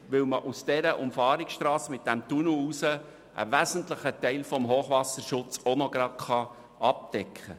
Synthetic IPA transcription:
ʋɪlməʔusd̥ɛɾəʔʊmfɑːɾɪksʃtɾɑːsmɪt̚d̥æmt̪unuusə | ʔə̰ʋæzən̩tləχətɛɪlfɔmɦoːχʋɑsəɾʃʊt͡sonɔɡɾɑtχɑ | ɑp̚d̥ɛkʰχə

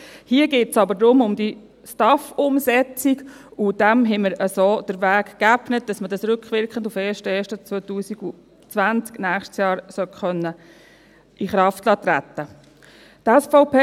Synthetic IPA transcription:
hiəɡeːtsɑbəɾdɾʊmʊmd̥i | stɑfʊmsɛt͡siɡud̥ɛmɦɛməɾəsoːd̥əɾʋæːkkæpnət̚d̥ɑsmədɑsɾʏkχʋɪɾkχəndufeːʃtɛːʃtət͡sʋɔtuːsiɡu | t͡sʋænt͡sknæːχʃtsjɑːɾsœtχœnːə | ʔiχɾɑftlɑːt̪ɾætːə | tɛsfɔʊpeː

